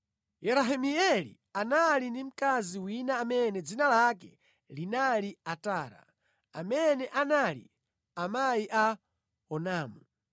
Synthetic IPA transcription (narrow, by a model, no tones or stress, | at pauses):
jɛɾaɦimiɛlḭ | analindim̩kaziwinaːmɛnɛd͡zinalakɛ | linaliataːɾa̰ | a̰mɛnɛʔanalḭ | amajiʔa | ɔnaːmu